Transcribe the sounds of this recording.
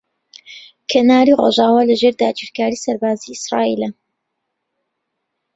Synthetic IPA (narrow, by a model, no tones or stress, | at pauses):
kʰenaːɾiro̰ʒaːwaːlɐʒeːɾd̪aːd͡ʒiɾkaːɾiːsɐɾbaːziisɾaːḭːlɐ